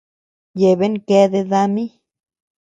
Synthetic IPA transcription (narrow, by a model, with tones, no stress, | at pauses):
je˨be˦ŋke˧d̪e˧d̪a˧mi˦